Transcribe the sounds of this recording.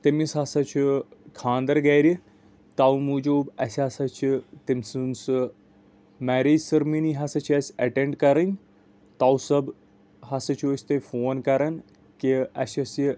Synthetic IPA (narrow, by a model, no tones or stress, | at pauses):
t̪ɐmisɦɐsɐt͡ʃʰukʰãːnd̪ɐɾɡɐːjɾi | t̪awmuːd͡ʒoːbɐ̰sʲaːsɐt͡ʃʰit̪imʲsunsɨ | mæːɾeːd͡ʒsɐɾminiɦɐsɐt͡ʃʰɐsʲɐʈeɳɖkɐɾɐnʲ | t̪awsɐb | ɦɐsɐt͡ʃʰoːt͡ʃʰʲt̪efoːnkɐɾɐn | kiɐ̰sɐsi